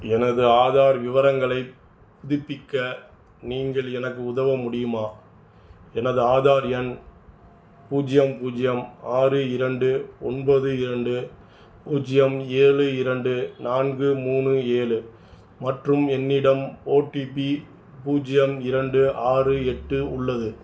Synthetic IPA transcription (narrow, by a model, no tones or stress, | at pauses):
ɛnɐðɯaːðaːɾʋɪʋɐɾɐŋɡɐɭɐɪ | pːʊðɪpːɪkːɐ | niːŋɡɐɭɛnɐk̬ːɯʊðɐʋɐmʊɽɪjɯmaː | ɛnɐðɯaːðaːɾɛn | puːd͡ʒɪjɐmpuːd͡ʒɪjɐmaːrɯɪɾɐɳɖɯɔnbɐðɯɪɾɐɳɖɯ | puːd͡ʒɪjɐmeːɭɯɪɾɐɳɖɯnaːnɡɯmuːnɯeːɭɯ | mɐʈrɯmɛnːɪɽɐmoːʈipi | puːd͡ʒɪjɐmɪɾɐɳɖɯʔaːrɯɛʈːɯʊɭːɐðɯ